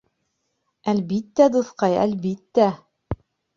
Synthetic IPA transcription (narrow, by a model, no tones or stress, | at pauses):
ælbit̪ːæd̪uθqɑjæ̰lbit̪ːæ